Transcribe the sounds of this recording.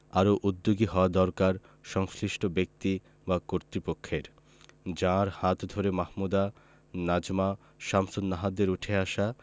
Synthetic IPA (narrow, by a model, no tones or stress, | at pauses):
aɾoʔud̪ːoɡiɦɔad̪ɔɾkaɾ | ʃɔŋsliʃʈobek̚t̪i | bakoɾt̪ɾipokʰːeɾ | d͡ʑãɾhãt̪d̪ʱoɾemahmud̪a | nad͡ʑma | ʃamsod̪naɦad̪eɾuʈʰeaʃa